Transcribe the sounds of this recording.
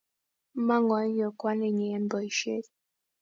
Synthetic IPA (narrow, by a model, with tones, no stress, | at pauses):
ma˦ŋɔ˨˦jɔ˨kwa˦ne˨ɲɛ˨˦m̩˦bɔ˨i˨ʃe˦t